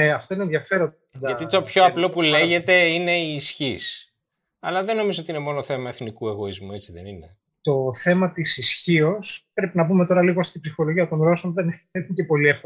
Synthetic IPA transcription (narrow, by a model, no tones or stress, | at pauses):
eɐft̪o̞inenðjʝɐfe̞ɾo | ʝɐt̪it̪o̞pçoɐplo̞puleʝe̞t̪e̞ine̞iːsçis | ɐlɐðenːo̞mizoot̪iine̞mo̞noθe̞mɐeθnikue̞ɣo̞izmue̞t͡siðḛninḛ | t̪o̞θe̞mɐt̪isisçio̞spɾe̞pinɐbume̞t̪o̞ɾɐliɣost̪ibsixo̞lo̞ʝiɐt̪o̞nɾo̞sonðenicepo̞liefko